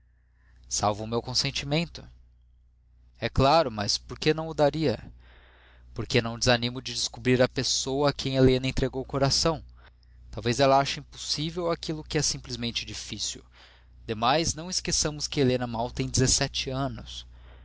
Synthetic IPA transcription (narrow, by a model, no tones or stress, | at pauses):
sawvʊːmewkõsẽnt͡ʃimẽnt̪ʊ̥ | ɛklaɾʊmɐspoɾkenɐ̃w̃ʊd̪aɾiɐ | poɾkenɐ̃w̃d͡ʒɪzanĩmʊd͡ʒɪd͡ʒɪskubɾiɾɐpesowɐːkʰẽj̃elẽnɐẽt̪ɾeɡowkoɾasɐ̃w̃ | t̪awvezɛlɐaʃɐĩposivewakilʊkɪɛsĩmplizmẽnt͡ʃɪd͡ʒifisḭw | d̪̥emajznɐ̃w̃ɪskesɐ̃mʊskɪelenɐmawt̪ẽj̃d͡ʒɪzesɛt͡ʃɪɐ̃nʊs